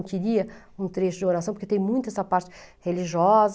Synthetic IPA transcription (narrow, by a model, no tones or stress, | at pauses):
kɪɾiɐ | ũt̪ɾeʃʊd͡ʒɪoɾasɐ̃poɾket̪ẽj̃mũj̃t̪ʊɛsɐpaɾt͡ʃɪ̥ | heliʒiɔz